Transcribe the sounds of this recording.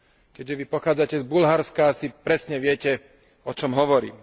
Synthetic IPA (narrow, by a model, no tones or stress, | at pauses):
kɛʒɛʋipɔxaːd͡zacɛzbulɦaɾskaːsipɾɛsɲɛʋɪɛcɛ | ɔt͡ʃɔmɦɔʋɔɾḭːm